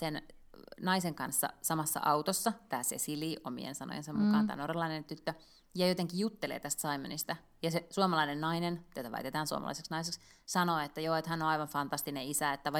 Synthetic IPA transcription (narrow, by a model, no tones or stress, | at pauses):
sennɑiseŋkɑnsːɑ̰sɑmɑsːɑ̰ʔɑwt̪osːɑpæːsḛsiliːʔomḭḛnsɑno̰jḛnsemukkɑːnt̪æ̰ːnorelːɑinent̪yt̪ːø | jɑjot̪eŋkijjut̪ːelḛːt̪æst̪sɑimenist̪æ | jɑsesuomɑlɑinennɑinenjot̪ɑʋæ̰it̪et̪æːnsuo̰mɑ̰lɑ̰iseksnɑiseks | sɑnoːet̪ːæjoːet̪hænːoɑiʋɑɱfɑnt̪ɑst̪ineisæet̪ːæʋɑ